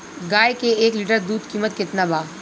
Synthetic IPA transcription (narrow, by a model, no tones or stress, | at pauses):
ɡaːekeeːkliːʈəɾd̪uːd̪kiːmət̪kɪt̪nabaː